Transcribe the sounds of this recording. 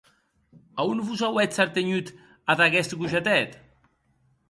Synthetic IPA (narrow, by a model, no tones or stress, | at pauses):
aunvuzawɛt͡saɾt̪eɲut̪ | aðaɣɛst̪ɡuʒat̪ɛt̪